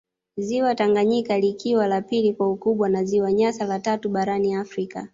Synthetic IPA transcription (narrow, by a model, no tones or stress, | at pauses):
ziwataŋɡaɲikalikiwalapilikwaukuɓwanaziwaɲasalatatuɓaɾaniafɾika̰